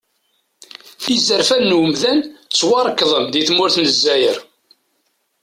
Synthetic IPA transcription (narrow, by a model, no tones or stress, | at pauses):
θizəɾfænːwəmðænt͡sːwɑɾˤəkːðˤəmðiθmʊɾθnəzːæjəɾ